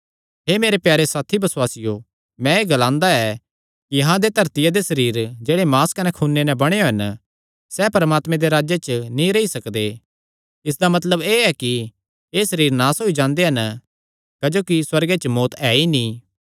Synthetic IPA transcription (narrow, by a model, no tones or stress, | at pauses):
ɦemeːɾepjaːɾesaːt̪ʰibɐswaːsɪjo | mɛ̃eːɡɐlãːnd̪aɛ | kiɐɦãd̪et̪ɐɾt̪ɪjad̪esɐɾiːɾd͡ʒeːɽemaːskɐnɛkʰuːnːenɛ̃bɐɽ̃eoɦɐn | sɛpɐɾəmaːt̪mẽd̪eɾaːd͡ʒjet͡ʃənĩɾeisɐkd̪e | ɪs̬d̪amɐt̪ləbeːɛki | eːsɐɾiːɾnaːsɦoːid͡ʒãːnd̪eɦɐn | kɐd͡ʒoːkiswɐɾɡet͡ʃmoːt̪ɛːinĩː